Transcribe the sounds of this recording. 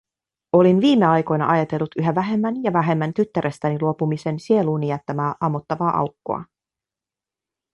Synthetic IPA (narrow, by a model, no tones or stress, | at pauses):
o̞linʋiːmːe̞ɑjko̞jnɑ̰ʔɑjɑt̪e̞lːut̪ʔyɦæʋæɦe̞mːænjɑʋæɦe̞mːænt̪yt̪ːæɾe̞st̪æniluo̞pumise̞nsie̞luːnijæt̪ːæmæːʔɑmːot̪ːɑʋɑːʔɑ̰wkːo̰ɑ̰